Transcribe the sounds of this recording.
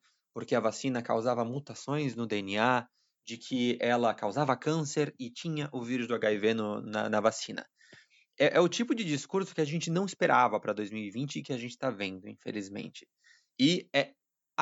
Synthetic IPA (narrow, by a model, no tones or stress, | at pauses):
poɾkeɐvasĩnɐka̰wzavɐmut̪asõj̃znʊd̪eenia | d͡ʒɪkʰɪɛlɐkawzavɐkɐ̃seɾɪt͡ʃĩɲɐʔʊviɾʊzd̪ʊaɡaivenʊnɐ̰nɐvasĩnɐ̰ | ɛʔɛʊt͡ʃipʊd͡ʒɪd͡ʒiskuɾsʊ̥kɪaʒẽnt͡ʃɪnɐ̃w̃ɪspeɾʔavɐpɾɐd̪ojzmiwivĩnt͡ʃɪːkɪaʒẽntt͡ʃɪst̪avẽnd̪ʊḭ̃fḛlizmḛ̃nt͡ʃɪ̥ | ɪɛ